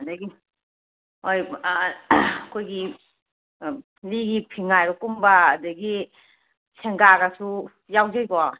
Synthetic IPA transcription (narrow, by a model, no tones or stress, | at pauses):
adɐɡi | hoj | kʰojɡi | liɡipʰiŋajɾɔkumbaːdɐɡi | sʰeŋɡaɡasu | jawzajɡɔ